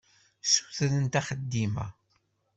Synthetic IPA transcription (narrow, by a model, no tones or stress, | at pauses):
su̥θɾənt̪æχəd̪ːimæ̰